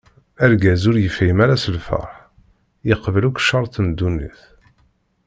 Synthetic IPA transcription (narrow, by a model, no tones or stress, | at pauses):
æɾɡæzʊɾjəfimæɾæsəlfə̰ħ | jəqvəlukʃːɑɾˤθmd̪ːunːḭθ